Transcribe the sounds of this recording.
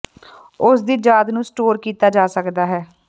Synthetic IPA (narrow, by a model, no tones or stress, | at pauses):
ʊsd̪iːd͡ʒaːd̪nũːsʈoːɾkiːt̪aːd͡ʒaːsəkd̪aːɦɛː